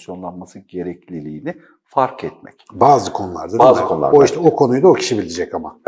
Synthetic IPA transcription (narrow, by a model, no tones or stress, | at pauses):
sjo̞nlˠanmasɯnɟe̞ɾɛclʲilʲiːnɪ | faɾkʰɛt̪̚mɛ̰cbaːzɯkʰo̞nulˠaɾd̪adaːzkonˠa̰oiʃt̪ɛokʰo̞nujd̪aocʰi̥ʃibilʲid͡ʒɛcama